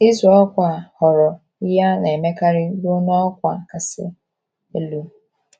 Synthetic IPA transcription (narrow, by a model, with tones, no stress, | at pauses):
i˦zkʷa˨hɔ˨ɾɔ˨ | ɪ˦ja˦n˨e˨me˦ka˦ɾɪ˦bo˦nɔ˦ɔ˦kʷa˨ka˨sɪ̰˦ | e˦lu˦